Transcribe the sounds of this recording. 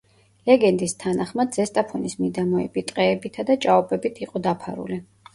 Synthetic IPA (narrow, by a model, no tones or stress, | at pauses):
lɛɡɛnd̪ist̪ʰanaχmad̪zɛst̪ʼapʰɔnismid̪amɔɛ̰bit̪ʼqʼɛːbit̪ʰad̪at͡ʃʼaɔbɛbit̪ʰiqʼɔd̪apʰaɾṵli